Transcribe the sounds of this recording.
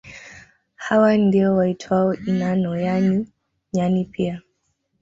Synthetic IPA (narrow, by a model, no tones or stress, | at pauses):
hawandiɔwaitʰwaɔʔinanɔjani | ɲanipʰia